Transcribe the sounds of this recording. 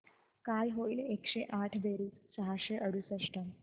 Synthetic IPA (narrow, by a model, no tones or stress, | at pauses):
kajɦoilekɕeʔaʈʰʋeɾiːssaɦaɕeʔəɽ̤usəʂʈəm